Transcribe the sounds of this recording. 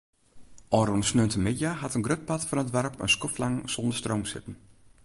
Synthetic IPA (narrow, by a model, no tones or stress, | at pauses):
ʔɔːɾunsnøntəmɪdjahatənɡrøt̚patfɔnətʋɛrpə̰nskɔflaŋsɔndəstroːmsɪ̰tən̩